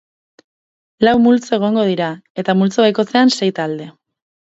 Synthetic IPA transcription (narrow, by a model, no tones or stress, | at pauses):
lawmult͡soe̞ɣ̞o̞ŋɡo̞ð̞iɾae̞t̪amult͡soβajko̞t͡se̞anse̞jt̪ald̪e̞